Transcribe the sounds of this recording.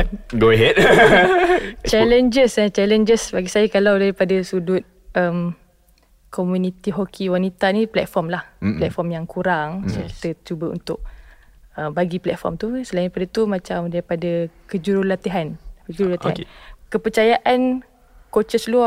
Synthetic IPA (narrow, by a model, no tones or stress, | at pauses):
ɡoəɦɛd̚ | t͡ʃɛlənd͡ʒəsat͡ʃɛlənd͡ʒəsbaɡisajakalawdaɾipadasudʊt̪̚ | ʔəm | komunit̪iɦokʰiwanit̪aniplɛ̰t̪̚fɔmlahplɛt̪̚fɔmjaŋkuɾaŋsəki̥t̪ət͡ʃubəṵnt̪ʊʔ̚ | əmbaɡiplɛt̪̚fɔ̰rmt̪usəlainipadat̪umãt͡ʃamdaɾipadakəd͡ʒuɾulat̪iɦankəd͡ʒuɾulat̪iɦa̰nkəpərt͡ʃajaʔan | kot͡ʃəslua